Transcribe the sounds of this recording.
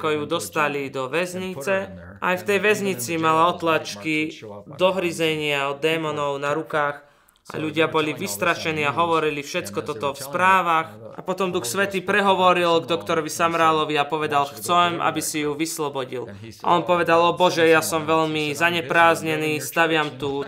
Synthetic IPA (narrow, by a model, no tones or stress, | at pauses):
kɔjud̪ɔst̪alid̪ɔʋɛzɲit͡sɛ | ʔa̰jft̪ɛjʋɛzɲit͡simalaɔt̪lat͡ʃkid̪ɔɦɾizɛɲɪaɔd̪ːɛːmɔnɔʊnaɾukaːx | ʔa̰ʎuɟɪabɔliʋist̪ɾaʃɛniːaɦɔʋɔɾilifʃɛt͡skɔt̪ɔt̪ɔfspɾaːʋaxʔa̰pɔt̪ɔmd̪uxsʋɛt̪iːpɾɛɦɔʋɔɾilɡd̪ɔkt̪ɔɾɔʋisamɾaːlɔʋiapɔʋɛd̪alxt͡sɛmʔa̰bisijuʋislɔbɔɟḭl | ʔa̰ɔnpɔʋɛd̪alɔbɔʒɛjasɔmʋɛʎmizaɲɛpɾaːzɲɛniːst̪aʋɪamt̪uː